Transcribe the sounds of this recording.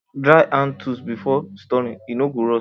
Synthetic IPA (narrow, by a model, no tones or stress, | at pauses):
dɾaɪʔãntʰusbifɔstɔɾĩinoɡoɾɔ